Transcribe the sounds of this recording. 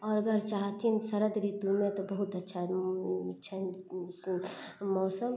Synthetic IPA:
ɔːɾəɡəɾt͡ʃaɦt̪ʰinsəɾəd̪ɾid̪umet̪ɔbəɦut̪ətːʃʰa | t͡ʃʰən | mɔːsəm

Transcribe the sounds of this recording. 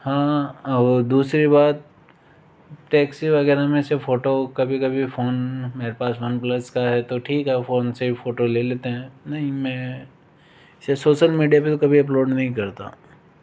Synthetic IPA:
hãːɐbd̪uːsɾibaːt̪̚ | ʈɛːksiʋɐɡɛːɾamẽsefoːʈokɐbʱikɐbʱifoːnmeːɾepaːsʋɐnplɐskaɦɛt̪oʈʰiːkɦɛfoːnseifoːʈoleːleːt̪eɦɛ̃ːnɐɦĩmɛ̃ | ɪsesoːʃəlmiːɖijapet̪okɐbʱiɐploːɖnɐɦĩkɐɾt̪a̰ː

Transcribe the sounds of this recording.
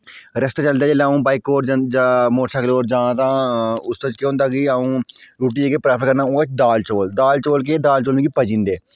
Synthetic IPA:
ɾəst̪aːt͡ʃəld̪aːd͡ʒeːleaːũːbaːɪkːoːʈd͡ʒamoːɾʃʰaːkəloːɾd͡ʒãːt̪ãːʊst̪õːt͡ʃkẽːnd̪aːɡiaːũːɾuːʈ̬iːd͡ʒeːɡeːpɾaːpʰəɾkəɾnãːoːt͡ʃd̪aːlt͡ʃoːld̪aːlt͡ʃoːlk̬eːd̪aːlt͡ʃoːlĩːɡiːpəd͡ʒĩːnd̪eː

